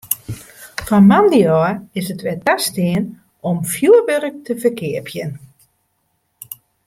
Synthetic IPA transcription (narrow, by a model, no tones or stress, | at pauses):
fɔnmandiɔɪsətʋɛtastɪən | ɔmfjuəʋøɾək̚tʰəfərkʰɪəpʰjən